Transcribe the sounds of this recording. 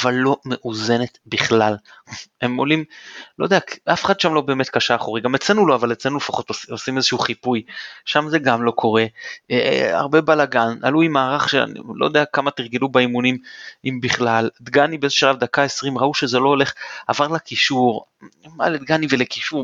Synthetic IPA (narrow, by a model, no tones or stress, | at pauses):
avalːo̞me̞ʔuze̞ne̞t̪biχlale̞mo̞limlo̞jd̪eakafeχad̪̥ʃamlo̞be̞ːme̞t̪̚kaʃaːχoʁiɡamet͡senulo̞avalet͡slenufaχo̞t̪ososimezeʃuuχipujʃamze̞ɡamlo̞kʰo̞ʁe̞ea̰ʁbe̞balaɡana̰luimaːʁaχʃea̰nḭlo̰jd̪eakamat̪iʁɡilubaimunimimbiχlald̪ɡanibeezeʃalavd̪akae̞sʁimʁauʃezelo̞ole̞χa̰vaʁlakiʃuʁma̰led̪̚ɡaniveleki̥ʃuʁ